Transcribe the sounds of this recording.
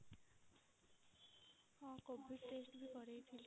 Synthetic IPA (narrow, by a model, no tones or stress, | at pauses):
hãːkobʱisʈeːsʈbʱikʌɾəit̪ʰil